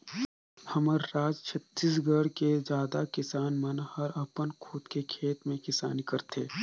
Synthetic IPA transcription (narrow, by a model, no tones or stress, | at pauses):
hɐməɾːaːd͡ʒt͡ʃʰət̪ːiːs̬ɡəɽkezjaːd̪akɪsaːnmɐnhɐɾɐpənkʰuːt̪kekʰeːt̪mẽkɪsa̰ːnikɐɾt̪ʰeː